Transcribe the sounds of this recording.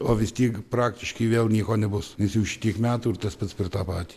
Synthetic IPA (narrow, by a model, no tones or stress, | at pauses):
oːʋʲɪst̪ʲiːɛkpɾɑːkt̪ʲɪʃkɐɪʋʲeːlˠnʲiɛkoːnʲɛbʊsnʲɛsjɛʊʃʲɪ̥t̪ʲiɛkmʲæːt̪uːɪrt̪ɐspɐt̪spʲɪrt̪ɑːpɑːt̪ʲiː